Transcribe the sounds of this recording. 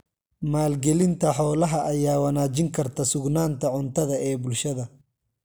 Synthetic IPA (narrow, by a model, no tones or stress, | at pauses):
maːlɡɛlɪnt̪ʰɐħɔːlɐɦɐʔɐjaːwɐnaːt͡ʃɪŋkʰɐrt̪ʰɐsʊɡnaːnt̪ʰɐʕʊnt̪ʰɐðɐɛːbʊlʃɐðɐ